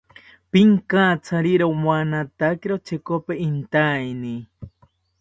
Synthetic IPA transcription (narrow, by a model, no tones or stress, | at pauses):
piŋkat͡sʰaɾiɾowmwanat̪akiɾot͡ʃekopeʔint̪ajni